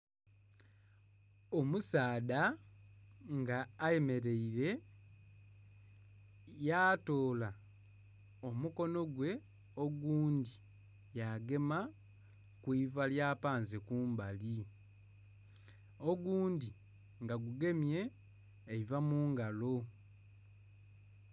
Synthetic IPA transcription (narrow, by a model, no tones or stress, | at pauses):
omusaːda | ŋɡaːje̞me̞ɾe̞iɾe̞ | jato̞ːla | omuko̞no̞ɡwe̞ | o̞ɡuːndi | jaɡe̞ma | kwiːvaljaːpaːnzekuːmbali | oɡuːndi | ŋɡaɡuɡe̞mje̞ː | ivamuːŋɡalo̞